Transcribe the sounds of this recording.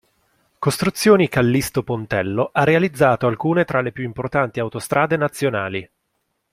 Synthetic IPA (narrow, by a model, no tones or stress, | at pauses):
kost̪ɾut̪sːjoːnikalːist̪opont̪ɛlːoʔarːealid̪zːaːt̪oalkuːnet̪ɾalepjuimport̪ant̪iawt̪ost̪ɾʔaːd̪enat̪sːjonaːli